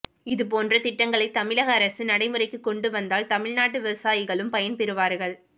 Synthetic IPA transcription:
ɪðɯp̬oːndrɐt̪ɪʈːɐŋɡɐɭɐɪt̪ːɐmɪɭɐɣɐːɾɐsɯnɐɽɐɪmɯrɐɪkːɯkːɔɳɖɯʋɐnd̪aːlt̪ɐmɪɻnaːʈːɯʋɪʋɐsaːjɪɣɐɭɯmpɐjɐnpɛɾɯʋaːɾɣɐɭ

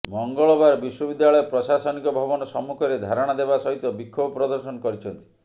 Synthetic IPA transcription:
mɔŋɡɔɭɔbaɾɔbiʃwɔbid̪ːaɭɔjepɾɔsasɔnikɔbʱɔbɔnɔsɔmːukʰɔɾed̪ʱaɾɔɽ̃ad̪ebasɔɦit̪ɔbikʰːobɔpɾɔd̪ɔɾsɔnɔkɔɾit͡ʃʰɔnt̪i̥

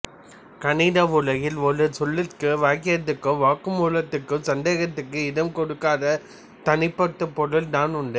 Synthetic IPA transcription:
kɐnɪɽɐʋʊlɐɣɪlʋɔlɯsɔlːɪkːɯʋaːkɪɾɐt̪ːɯkːɯʋaːkɯmuːlɐt̪ːɯkːɯsɐnd̪eːɣɐt̪ːɯkːɯɪðɐmkɔɽɯkːaːðɐ | t̪ɐnɪpːɐt̪ːɯpːɔɽɯld̪aːnʊɳɖɯ

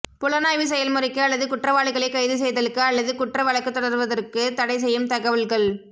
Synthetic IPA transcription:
pʊlɐnaːjʋɯsɛjɐlmʊɾɪkːɯɐlːɐðɯkʊʈrɐʋaːɭɪɣɐɭɐɪkːɐjðɯs̬ɛjðɐlɯkːɯɐlːɐðɯkʊʈrɐʋɐɭɐkːɯt̪ːɔɽɐɾʋɐðɐrkɯt̪ɐɽɐɪs̬ɛjːɯmt̪ɐɣɐʋɐlɣɐɭ

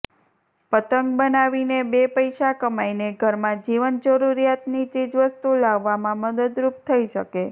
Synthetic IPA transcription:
pət̪əŋɡ̚bənaʋinebepəjʃakəmaineɡʱəɾmãd͡ʒiʋənd͡ʒəɾuɾijat̪nit͡ʃid͡ʒʋəst̪ulaʋːamãməd̪əd̪ɾup̚t̪ʰəiʃəke

